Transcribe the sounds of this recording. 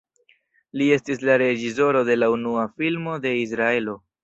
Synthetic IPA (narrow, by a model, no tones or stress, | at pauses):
lie̞stislaɾe̞d͡ʒis̬o̞ɾo̞de̞launuafilmo̞de̞is̬ɾae̞lo̞